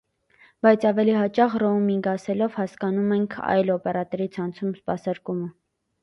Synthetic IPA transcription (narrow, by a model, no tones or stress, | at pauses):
bɑjt͡sʰɑvɛliɦɑt͡ʃɑʁrɔmiŋɡɑsɛlɔvhɑskɑnumɛŋkʰɑ̰jlɔpɛɾɑt̪ɛɾit͡sʰɑnt͡sʰumspɑsɑɾkumə